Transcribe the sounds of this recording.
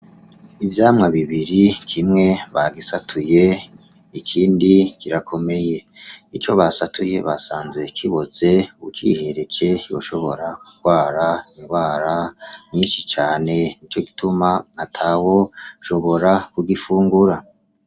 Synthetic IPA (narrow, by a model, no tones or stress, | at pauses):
ivjaːmŋaβiβiɾikʰimŋe̞βaɡisatʰuje̞ | ikʰiːndikiɾakʰo̞me̞je̞it͡ʃo̞βasatʰuje̞βasaːnze̞kʰiβo̞ze̞uβut͡ʃḭhe̞ɾe̞t͡ʃe̞jo̞̰ʃo̞βo̞ɾakuɡwaːɾaiŋɡwaːɾaɲiːnʃit͡ʃaːne̞nit͡ʃo̞ɡitumaːtʰawo̞ʃo̞βo̞ɾakuɡifuːŋɡuɾa